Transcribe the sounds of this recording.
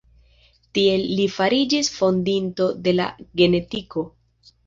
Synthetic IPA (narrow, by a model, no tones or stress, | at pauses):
tie̞lːifaɾid͡ʒisfo̞ndinto̞de̞la̰ɡe̞ne̞tiko̞